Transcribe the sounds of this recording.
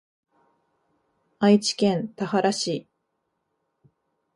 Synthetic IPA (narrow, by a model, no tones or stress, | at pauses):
ait͡ɕi̥kẽ̞nt̪ahaɾaɕiː